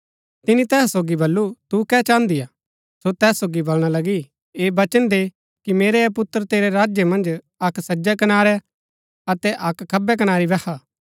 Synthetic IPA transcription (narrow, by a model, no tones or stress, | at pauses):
t̪ɪnit̪ɛːsoːɡibɐlːut̪ukɛt͡ʃãːnd̪ijaː | sot̪ɛːsoːɡibɐlɽ̃alɐɡi | eːbɐt͡ʃənd̪eː | kimeːɾɛɛpʊt̪ːəɾt̪eːɾeɾaːd͡ʒjəmɐ̃nd͡ʒ | ɐksɐd͡ʒɛkɐnaːɾɛ | ɐt̪ɛʔɐkːɐbɛk̬ɐnaːɾibɛkʰaː